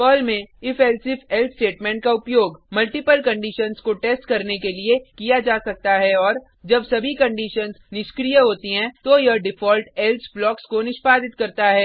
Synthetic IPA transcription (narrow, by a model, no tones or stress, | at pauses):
pəːlmẽɪfɛːlsɪfɛlt̪sʈeːʈmɛ̃ɳʈ̚kaʊpjoːɡmɐlʈɪpəlkɐ̃ɳɖiːʃənskoʈeːsʈkɐɾnekeliekijad͡ʒaːsɐk̚t̪aɦɛɔːɾ | d͡ʒɐbsɐbʱikɐ̃ɳɖiːʃənznɪʃkɾiːjəɦoːt̪iɦɛ̃t̪ojɐɖɪfʰɔːlʈɛlsblɔːkskonɪʃpaːd̪ɪt̪̚kɐɾt̪aɦɛː